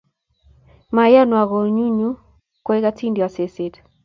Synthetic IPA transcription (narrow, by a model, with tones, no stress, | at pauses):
ma˨ja˦nwa˨ɣɔ˨ɲu˦ɲu˦ | kwe˦i˦ka˦tʰi˦ndi˨wa˨se˨se˨t